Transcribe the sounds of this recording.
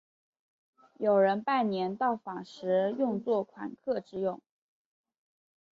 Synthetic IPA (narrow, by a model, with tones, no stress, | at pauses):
jo˨˩ʊɻə˧˥npa˥˩nnjɛ˧˥nt̪ɑ˥˩ʊfɑ˨˩ŋʂɻ̩˧˥jʊ˥˧ŋt͡swɔ˥˩kʰwa̰˨˩nkʰɤ˥˧˩ʈ͡ʂɻ̩˥jʊ˥˩ŋ